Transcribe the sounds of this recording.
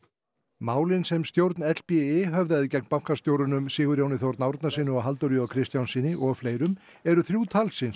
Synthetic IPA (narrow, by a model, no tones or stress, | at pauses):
maːwlɪnsɛmst̪jowɾt̪nɛt̪l̥piɪɦœvðaðɪcɛk̚npawŋ̥kast̪jowɾʏnʏmsɪːɣʏɾjaːwnɪθjowɾt̪nawɾt̪nasiːnʏɔɦalt̪oɾjʏɔkʰɾɪst̪jawnsiːnɪʔɔɣfleːjɾʏm | ɛɾʏθɾjuːt̪ʰalsɪns